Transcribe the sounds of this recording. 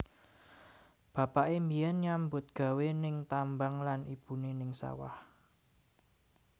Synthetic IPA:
b̥ä̤paʔemijɛnɲambʊt̪̚ɡ̥a̤wenɪŋt̪ambaŋlanib̥unenɪŋsa̰wa̰h

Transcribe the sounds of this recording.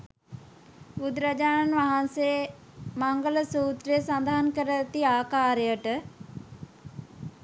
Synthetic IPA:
bud̪ɾad͡ʒaːnanʋaɦanse | maŋɡələsuːt̪ɾijəsand̪aɦankəɾət̪iaːkaːɾejəʈə

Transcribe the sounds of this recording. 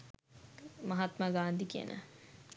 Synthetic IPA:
mɐɦat̪maɡaːnd̪ikiə̰nʔə̰

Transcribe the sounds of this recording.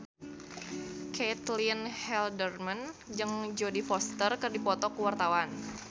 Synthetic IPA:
kʰet̪linhɛldərmand͡ʒɨŋd͡ʒodifɔst̪ərkɨrdipɔt̪ɔkuwart̪awan

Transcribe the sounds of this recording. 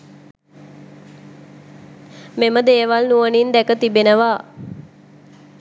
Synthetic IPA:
meməd̪eːʋalnuənind̪ækət̪ibenəʋa

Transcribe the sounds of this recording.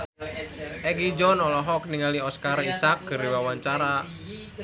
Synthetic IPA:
ɛkid͡ʒɔnɔlɔɦɔk̚niŋaliɔskarisak̚ɡ̥ə̤ɾiwawaɲt͡ʃaɾa

